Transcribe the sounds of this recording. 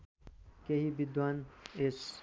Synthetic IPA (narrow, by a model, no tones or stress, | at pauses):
kehibid̪wanes